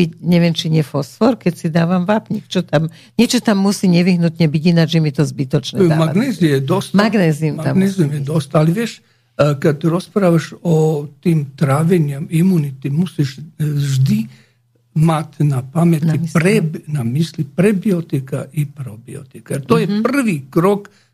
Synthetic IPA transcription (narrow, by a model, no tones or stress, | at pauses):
bicɲɛʋjɛmt͡ʃiɲɛfɔsfɔɾkɛcsid̪aːʋamʋapɲiɛkt͡ʃɔt̪am | ɲɛt͡ʃɔt̪amːusiɲɛʋiɦnut̪ɲɛbiɟinad͡ʒʒɛmit̪ɔzbit̪ɔt͡ʃnɛd̪amaaɡnɛzijɛd̪ost̪maɡnɛːzimamɡnɛziumjɛd̪ost̪aliʋjɛʃ | kat̪ɾɔspɾaʋaʃot̪iːmt̪ɾaːʋɛɲamimunit̪imusiʃʒd̪i | mat̪ʲnapamenimispɾɛbnamislipɾɛbiot̪ika̰ʔipɾobio̰t̪ikaat̪ojɛpr̩ʋikɾok